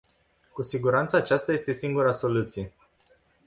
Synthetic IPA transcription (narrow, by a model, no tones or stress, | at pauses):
kusiɡuɾant̪səːt͡ʃast̪aje̞st̪e̞siŋɡuɾaso̞lut̪sije̞